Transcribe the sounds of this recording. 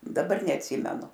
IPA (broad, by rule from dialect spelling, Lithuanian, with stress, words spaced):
dɐˈbɐr nʲɛɐtʲˈsʲiːmʲɛnʊ